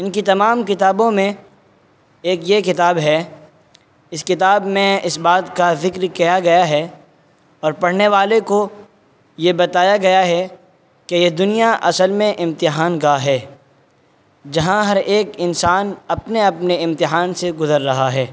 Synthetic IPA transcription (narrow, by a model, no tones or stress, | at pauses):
ɪnkit̪ɐmaːmkɪt̪aːbõmẽ | eːkjekɪt̪aːbɦɛ | ɪskɪt̪aːbmẽɪsbaːt̪kazɪkɾkijaɡɐjaɦɛ | ɔːɾpɐɽ̤neʋaːleko | jebɐt̪aːjaɡɐjaɦɛ | kejed̪ʊnijaʔɐsəlmẽʔɪ̃mt̪ɪɦaːnɡaɦɛː | d͡ʒɐɦãɦɐɾeːkɪnsaːnɐpneɐpneɪ̃mt̪ɪɦaːnseɡʊzəɾːɐɦaɦɛː